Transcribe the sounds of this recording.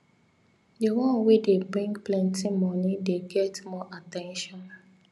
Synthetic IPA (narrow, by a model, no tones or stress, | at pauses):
diwɔ̃nwedebɹĩŋɡplɛ̃ntimɔnideɡɛtmɔʔatɛ̃nʃɔ̃n